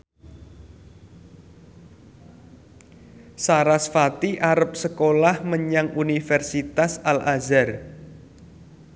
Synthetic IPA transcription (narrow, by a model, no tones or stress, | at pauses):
saɾasfat̪iʔaɾəp̚səkolahməɲaŋʔunifɛrsit̪asalʔazar